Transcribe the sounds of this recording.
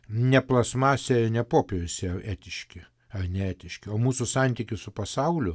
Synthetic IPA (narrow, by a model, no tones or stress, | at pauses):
nʲɛplˠɐsmɑːsʲɛnʲɛpoːpʲeɾʲʊsʲeʔæːt̪ʲɪʃʲkʲɪ | ɐrnʲɛæːt̪ʲɪʃʲkʲɪoːmuːsʊsɑnʲt̪ʲikʲɪsʊpɐsɐʊlʲʊ